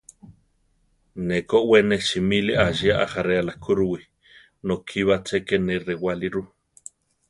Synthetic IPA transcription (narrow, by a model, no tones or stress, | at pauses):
nekoʔweneʃimiliʔaʒiaʔa̰haɾealakʰuɾuwi | nokʰiβat͡sʰekenerewaliɾu